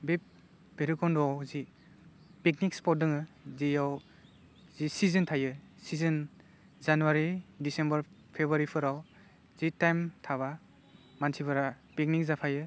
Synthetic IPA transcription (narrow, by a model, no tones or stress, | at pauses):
bep̚ | b̥eɾikɔndɔawzi | pek̚nik̚spɔt̚dɯŋɯzijaw | zisizɯntʰajɯsizɯn | zanuwaɾidisembəɾ | pʰebɾaɾipʰɯɾaw | zitajmtʰaβa | mansʰipʰɯɾa | pek̚nik̚zapʰajɯ